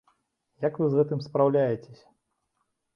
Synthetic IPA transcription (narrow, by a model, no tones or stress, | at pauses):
jɐkvɨzɣɛt̪ɨmspɾawlʲajet͡sʲesʲɐ̥